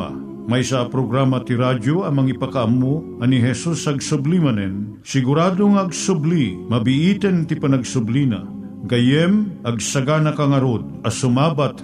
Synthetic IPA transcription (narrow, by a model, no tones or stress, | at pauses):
a̰ | mɐjsaapɾoɡɾamɐt̪iɾadoɐmɐŋipakaʔɐmːo | ɐniɦɛsusɐɡsʊblimɐnɛn | sɪɡʊɾaːd̪oŋaɐɡsʊblimɐbɪʔiːt̪ɛnt̪ɪpɐnɐɡsʊblina̰ | ɡɐjɛmʔɐɡsɐɡanɐkaŋɐɾod̪̚ɐsʊmaːbat̪